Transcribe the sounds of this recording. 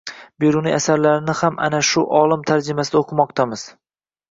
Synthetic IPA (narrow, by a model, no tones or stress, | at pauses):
beɾʊnɪ̰asaɾlaɾɪnɪhama̰naʃʊʔɒlˠɪmt̪ʰaɾd͡ʒɪmasɪd̪aoqʰɨmɒqt̪ʰamɪz̥